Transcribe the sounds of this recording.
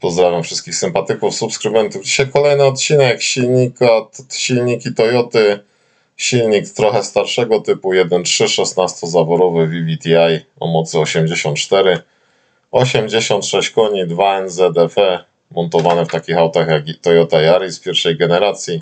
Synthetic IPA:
pɔzd̪ɾavʲjamfʂɘst̪̚kʲixsɘmpat̪ɘkufsupskɾɘmɛnt̪uvd͡ʑiɕajkɔlɛjnɛɔt̪̚t͡ɕinɛkɕilɲikat̪ɕilɲikit̪ɔjɔt̪ɘ | ɕilɲikt̪ɾɔxɛst̪aɾʂɛɡɔt̪ɘpujɛd̪ɛntʂɘʂɛsnast̪ɔzavɔɾɔvɘvʲivʲit̪ʲiajɔ̰mɔt̪sɘɔɕɛmd͡ʑeɕɔnt̪̚t͡ʂt̪ɛɾɘ | ɔɕɛmd͡ʑeɕɔnt̪ʂɛɕt͡ɕkɔɲid̪vaɛnzɛd̪ɛpɛ | mɔnt̪ɔvanɛft̪akʲixawt̪axjakt̪ɔjɔt̪ajaɾispʲjɛɾfʂɛjɡɛnɛɾat̪sʲji

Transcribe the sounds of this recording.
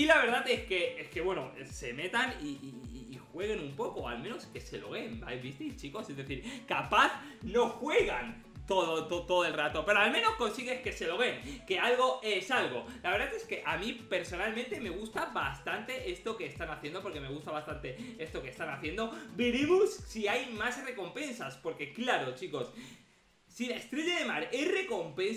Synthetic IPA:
ilaβe̞ɾðateske̞eske̞βwe̞nose̞me̞t̪ani | xwe̞ɣ̞e̞numpo̞koa̰lmẽ̞no̞ske̞se̞lo̞̰βe̞mba̰jβist̪it͡ʃiko̞se̞zðe̞θiɾkapaθ | no̞xwe̞ɣan | t̪oðot̪ot̪oðoelrat̪o̞pe̞ɾoalmẽ̞no̞sko̞nsiɣe̞ske̞se̞lo̞βe̞ŋke̞alɣo̞e̞salɣo̞laβɾðaθe̞ske̞ʔamĩpe̞ɾso̞nalmẽnt̪e̞me̞ɣ̞ust̪abast̪ant̪e̞ʔe̞st̪o̞ke̞ːst̪anaθje̞nd̪o̞po̞ɾke̞me̞ɣust̪aβast̪ant̪e̞e̞st̪o̞ke̞st̪anaθje̞nd̪o̞biɾimusːiajmasre̞ko̞mpẽ̞nsaspo̞ɾke̞klaɾo̞t͡ʃiko̞s | silaest̪ɾeʎaðe̞maɾere̞ko̞mpẽ̞ns

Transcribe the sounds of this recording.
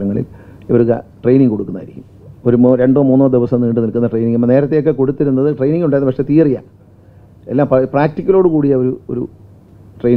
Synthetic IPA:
ɾɐŋːɐɭḭliʋɐɾukɐ̰ʈrejniŋɡko̞ɽukːunːa̰ːjɾikʲːum | o̞ɾumoɾe̞ɳɖo̞ːmuːnːoːd̪iʋɐsɐmniːɳɖɨnilkunːɐʈrejniŋɡɐmːɐne̞ːɾɐt̪ːe̞jokːe̞ko̞ɽut̪ːiɾunːɐðɨʈrejniŋɡuɳɖaːjɐnːɐʋɐʂet̪iːrija̰ | elːaːmppraːk̚tikʲːɐloːɽɨkuːɽijɐoɾuo̰ɾṵ | ʈrej

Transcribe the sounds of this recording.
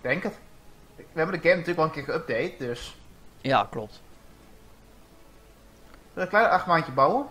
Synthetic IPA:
d̥ɛŋkət | ʋəhɛbəndəɡɛmnətyləkʋɔlənkɪːkəøp̚dejtdøsja̰klɔp̚t | ʋɪləklɛjnərʔaxtmantjəbawə

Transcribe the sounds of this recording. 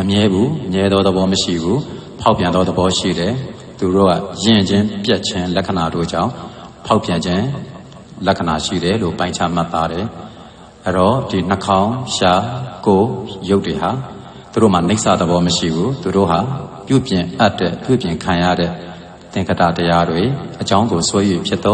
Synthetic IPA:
məmjɛbumjɛd̪ðɔd̪əbɔməʃḭbu | pʰaʊpjãnd̪ɔd̪əbɔʃḭɾɛ | t̪uɾo̰ɡa̰jɪ̃d͡ʑɪ̃mpjɛʔ̚t͡ɕʰɪ̃lɛʔkʰːənado̰d͡ʑã̰ʊ̃ | pʰaʊpːjãɲd͡ʑɪ̃ | lɛkʰənaʃḭɾɛlo̰pãɪ̃ɲt͡ɕʰa̰m̥at̪ːaɾɛ | ʔɛɾɔd̥in̥əkʰãʊ̃ʃakojoʊtːweɦa | t̪uɾo̰maneɪʔsʰɛ̰d̪əbɔməʃḭbut̪uɾo̰ɦapjṵpjɪ̃ʔatːwɛ̰pjṵpjɪ̃ŋkʰãja̰ɾɛ̰ | t̪ɪ̃ŋkʰətä̰təjadweʔət͡ɕãʊ̃ŋɡoswɛjwepʰjɪt̪t̪ɔ

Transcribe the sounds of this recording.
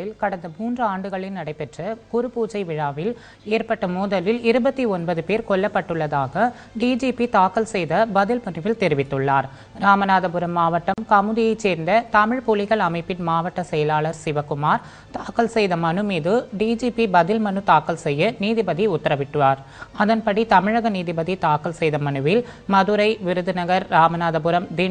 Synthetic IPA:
ɪlkɐɽɐnd̪ɐmuːndrɯaːɳɖɯɣɐɭɪlnɐɽɐɪpːɛʈrɐkʊɾɯpːuːt͡ʃɐɪʋɪɻaːʋɪl | eːɾpɐʈːɐmuːðɐlɪlɪɾɯbɐt̪ːiɔnbɐðɯpeːɾkɔɭːɐpːɐʈːɯɭːɐðaːɣɐ | ɖiːd͡ʒiːpit̪aːkɐlsɛjðɐbɐðɪlpɐnɪʋɪlt̪ɛɾɪʋɪt̪ːɯɭːaːɾ | ɾaːmɐnaːðɐbɯɾɐmːaːʋɐʈːɐmkɐmɯðɪjɐɪt͡ʃːeːɾnd̪ɐt̪ɐmɪɻpuːlɪɣɐɭɐmɐɪpːɪnmaːʋɐʈːɐsɛjɐlaːɭɐɾsɪʋɐkʊmaːɾ | t̪aːkɐlsɛjðɐmɐnɯmiːðɯɖiːd͡ʒiːpibɐðɪlmɐnɯt̪aːkɐlsɛjːɐniːðɪbɐðiʊt̪ːɐɾɐʋɪʈːɯʋaːɾ | ɐðɐnpɐɽit̪ɐmɪɻɐɣɐniːðɪbɐðit̪aːkɐlsɛjðɐmɐnɯʋɪl | mɐðɯɾɐɪʋɪɾɯðɯnɐɣɐɾɾaːmɐnaːðɐbɯɾɐmd̪i

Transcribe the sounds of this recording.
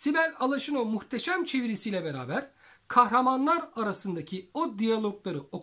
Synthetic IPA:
sibæɾʲalˠaʃɯnomuxt̪ʰeʃæmt͡ʃʰe̞viɾisijlʲɛbeɾa̰ːbæɾ̥ | kʰahɾamanlˠaɾaɾasɯnd̪acʰiod̪ijalˠoklˠaɾɯo̞

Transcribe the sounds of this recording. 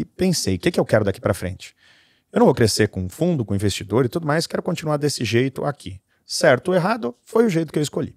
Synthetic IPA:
ɪpẽsejʊkɪkɪewkɛɾʊd̪aki̥pɾɐafɾḛ̃nt͡ʃɪ̥ | ewnɐ̃vokɾeseɾkõũfũnd̪ʊkõĩvest͡ʃid̪oɾɪt̪ud̪ʊmajskɛɾʊkõt͡ʃĩnuaɾd̪esɪʒejt̪ʊakʰi | sɛɾt̪ʊeɦad̪ʊfojʊʒejt̪ʊkɪewɪskoʎḭ

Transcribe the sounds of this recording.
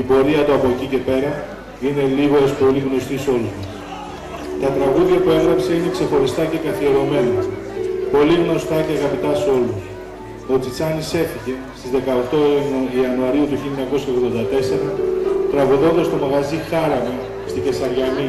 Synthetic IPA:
ipo̞ɾiɐt̪oɐpo̞ecice̞pe̞ɾɐ | ine̞liɣo̞espo̞liɣno̞st̪iso̞lust̪u | t̪ɐt̪ɾɐɣuðʝɐpue̞ɣɾɐpse̞ine̞kse̞xo̞ɾist̪ɐce̞kɐθieɾo̞me̞nɐpo̞liɣno̞st̪ɐceɐɣɐpit̪ɐso̞lus | o̞t͡sit͡sɐnise̞fiʝe̞st̪izðe̞kɐokt̪o̞iɐnuɐɾiut̪uçilɲɐko̞sçɐoɣðo̞nd̪ɐt̪e̞se̞ɾɐt̪ɾɐɣuðo̞nd̪ɐst̪o̞mɐɣɐzixɐɾɐmi | st̪ice̞sɐɾʝɐni

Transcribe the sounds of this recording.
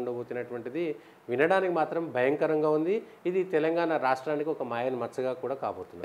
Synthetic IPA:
ɳɖɐboːt̪inɐʈʋɐɳʈid̪i | ʋinɐɽaːnikimaːt̪ɾɐmbʱɐjɐŋkɐɾɐŋɡaːund̪iː | d̪it̪ɛlɐŋɡaːnɐɾaːʂʈɾaːnikiɔkɐmaːjɐnmɐɾt͡ʃɐɡaːkuːɽaːkaːboːt̪unːa̰

